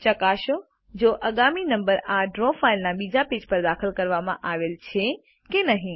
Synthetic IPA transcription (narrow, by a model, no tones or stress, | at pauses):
t͡ʃəkaʃo | d͡ʒoʔəɡaminə̃mbəɾaɖɾofailnaɓiːd͡ʒapeːd͡ʒpəɾd̪aːxəlkəɾʋamãʔaːʋelt͡ʃʰe | kenəɦĩ